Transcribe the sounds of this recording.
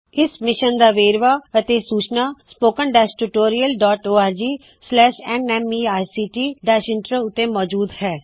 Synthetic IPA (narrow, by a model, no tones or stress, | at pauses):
ɪsmɪʃənd̪aːʋeːɾʋaːət̪eːsuːt͡ʃnaːspoːkənɖɛːsʈuːʈoːɾijəlɖɔːʈoːaːɾd͡ʒiː | slɛːʃɛːnɛːmiːaːjsiːʈiːɖɛːʃɪ̃ɳʈɾəʊt̪ːẽːmɔːd͡ʒuːd̪hɛː